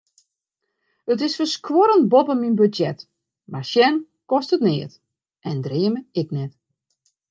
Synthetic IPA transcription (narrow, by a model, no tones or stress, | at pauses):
ət̬ɪsfəskwoɾənbɔpəminbydjɛt | maʃjɛn | kɔstətnɪːət | ʔɛndrɪəməɪk̚nɛt